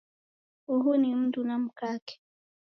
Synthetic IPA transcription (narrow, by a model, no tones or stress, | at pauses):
uɦunim̩tunam̩kakɛ̥